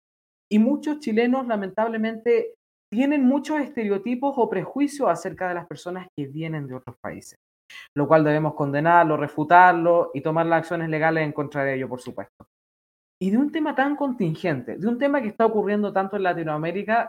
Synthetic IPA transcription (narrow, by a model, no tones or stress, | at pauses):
imut͡ʃost͡ʃile̞no̞slamẽ̞nt̪aβleme̞nt̪e | t̪je̞ne̞nmut͡ʃose̞st̪e̞ɾeot̪ipo̞sopɾe̞xwisjosase̞ɾkaðe̞laspe̞ɾso̞naskeβje̞ne̞nd̪eo̞tɾospa̰ḭses | lo̞kwald̪e̞βe̞mosko̞nd̪enaɾlorefut̪aɾloit̪o̞maɾlasaksjo̞ne̞sle̞ɣaleseŋko̞ntɾaðeeʝopoɾsupwe̞st̪o̥ | iðeunt̪e̞mat̪aŋko̞nt̪iŋxe̞nt̪e̞̰ðeunt̪e̞makest̪aokurje̞nd̪ot̪ant̪oenlat̪inoame̞ɾika